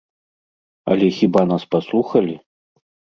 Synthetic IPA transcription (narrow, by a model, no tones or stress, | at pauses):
ɐ̰lʲɛxʲibanaspaslˠuxɐlʲi